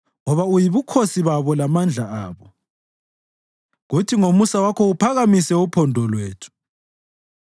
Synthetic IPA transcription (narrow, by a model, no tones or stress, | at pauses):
ŋɔβaujiβukʰosiβaβɔlamand͡ɮʱaa̰ːβɔ | ɣutʰiŋomusawakʰɔupʰaɣamisɛupʰɔndʱɔlweːtʰu̥